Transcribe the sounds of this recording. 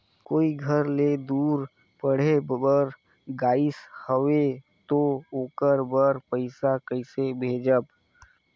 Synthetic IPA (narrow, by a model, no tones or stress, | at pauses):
koːiɡʱəɾled̪uːɾ | pəɽ̤ebbəɾ | ɡaːɪshəʋe | t̪ooːkəɾbəɾpəɪsakəɪsebʱeːd͡ʒəb